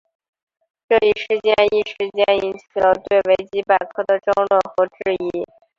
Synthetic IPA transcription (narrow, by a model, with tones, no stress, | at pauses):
ʈ͡ʂɤ˥˧i˥˩ʂɻ̩˥˧t͡ɕjɛ˥ni˥˩ʂɻ̩˧˥t͡ɕjɛ˥ni˥nt͡ɕʰi˨˩lə˧t̪we˥˩ɪwe˧˥ɪt͡ɕi˥pa˨˩kʰɤ˥˩d̪ə˨ʈ͡ʂɤ˥ŋlwə˥˩nxɤ˧˥ʈ͡ʂɻ̩˥˩˧i˥